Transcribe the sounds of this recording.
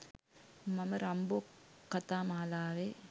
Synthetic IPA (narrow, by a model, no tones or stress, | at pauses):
mɐmɐɾɐmboːkːɐt̪aːmaːlaːʋe